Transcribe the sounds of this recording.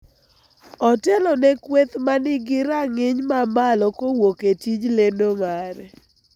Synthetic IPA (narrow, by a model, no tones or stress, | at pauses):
ɔtɛlɔnɛkwet̪manɪɡɪɾaŋɪɲmamalɔkowoketid͡ʒlendoŋaɾɛ